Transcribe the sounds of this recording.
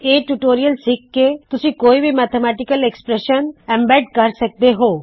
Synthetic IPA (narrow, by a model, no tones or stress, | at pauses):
eʈuʈoːɾijəlsikːet̪usikoːibʱimat̪ʰemaʈikəlekspɾeʃənɛ̃mbɛɖkəɾsək̚d̪eɦoː